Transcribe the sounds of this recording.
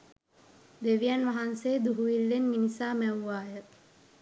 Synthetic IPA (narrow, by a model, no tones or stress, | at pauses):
d̪eʋijanʋaɦanseːd̪uɦuʋilːenminisaːmæwːaːjə